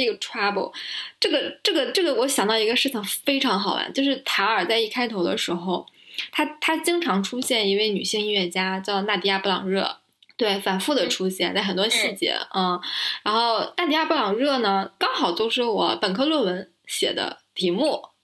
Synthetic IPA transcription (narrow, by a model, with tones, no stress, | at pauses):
e˥˩ɡə˩ʈ͡ʂʰwa˥pṵ˥˧˩ʈ͡ʂɤ˥˩ɡə˩ʈ͡ʂɤ˥˩ɡə˩ʈ͡ʂɤ˥˩ɡə˩wɔ˧˥ɕjɑ˨˩ŋt̪ɑ˥˩ʊi˧˥ɡə˧ʂɻ̩˥˩t͡ɕʰi˧˩˥ŋfe˥ɪʈ͡ʂʰɑ˧˥ŋxɑ˨˩ʊwa̰˧˥nt͡ɕjo˥˧ʊʂ̬ɻ̩˥˩t̪ʰa˧˥ə˞˨˩t͡sa˥˧ɪi˥˩kʰa˥ɪt̪ʰo˧˥ʊd̪ə̰˧ʂɻ̩˧˥xo˧ʊt̪ʰa˥t̪ʰa˥t͡ɕi˥ŋʈ͡ʂʰɑ˧˥ŋʈ͡ʂʰu˥ɕjɛ˥˩ni˧˥we˥˩ɪny̰˨˩ɕi˥˧ŋi˥˧ɥɛ˥˩t͡ɕja˥t͡ɕjɑ˥˧ʊna˥˩t̪i˧˥˧ja˥˩pu˥˩lɑ̰˨˩ŋɻɤ̰˥˩ | t̪we˥˩ɪfa˨˩nfu˥˩d̪ə˩ʈ͡ʂʰu˥ɕjɛ˥˩nt͡sa˥˩ɪxə˨˩nt̪wɔ˥ɕi˥˩t͡ɕjɛ̰˧˥˩ɻa˧˥nxo˥˧ʊna˥˩i˧˥ja˥˧pu˥˩lɑ˨˩ŋɻɤ˥˩nə˩kɑ˥ŋxɑ˨˩ʊt͡ɕjo˥˧ʊʂɻ̩˥˩wɔ˨˩˦pə˨˩nkʰɤ˥˧lwɤ˥˩wə˧˥n | ɕjɛ̰˨˩d̪ə̰˦t̪ʰi˧˥mu˥˩